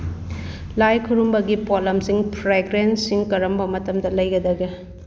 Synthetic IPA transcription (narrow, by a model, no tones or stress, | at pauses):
lajkʰuɾumbɐɡipolɐmsiŋpʰɾeɡɾensiŋkɐɾɐmbɐmɐtɐmdɐlɐjɡɐdɐɡɐ